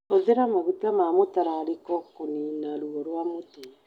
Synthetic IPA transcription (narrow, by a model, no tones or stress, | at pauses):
oðeɾamaβutamamotaɾaːɾekɔkoninaɾuɔɾwamoto